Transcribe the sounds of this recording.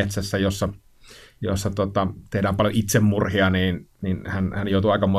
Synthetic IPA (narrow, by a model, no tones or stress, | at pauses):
et̪sæsːæjosːɑ | jo̰sːɑt̪ot̪ɑt̪ehdæːmpɑljoʔit̪semmurhiɑniːnninhænhænjoˑut̪uɑˑikɑmoˑ